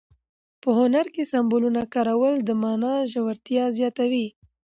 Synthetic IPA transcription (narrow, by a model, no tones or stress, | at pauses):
pəɦʊnaɾkesambolunakɑɾawəld̪əmɑnɑʒawaɾt̪jɑzjɑt̪awi